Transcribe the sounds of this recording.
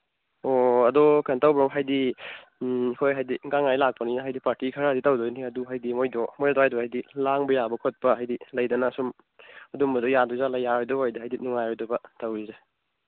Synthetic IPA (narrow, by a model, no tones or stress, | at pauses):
oɐdɔkantawbɾɔmɦajdi | ikʰojɦajdiɡaŋajlak̚pɐninɐɦajdipaɾtikʰɐɾaditawdɔjniɐduɦajdimojdɔmojdɔdohajdɔhajdilaŋbɐjabɐkʰot̚pɐɦajdilɐjdɐnɐsum | ɐdumbɐdɔjaduzalajaɾojdɔbajdiɦajdinuŋajɔjdɔbɐtɐwɾize